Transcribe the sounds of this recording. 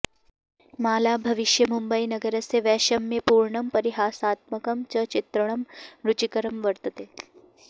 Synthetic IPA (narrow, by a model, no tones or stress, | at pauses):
maːlaːbʱɐʋɪʃjɐmumbəinɐɡəɾɐseʋɛːʃɐmjepuːɾɳɐmpɐɾiɦaːsaːt̪̚mɐkɐmt͡ʃɐt͡ʃɪt̪ɾəɳ̃ɐmɾut͡ʃikɐɾəmʋɐɾt̪ɐt̪eː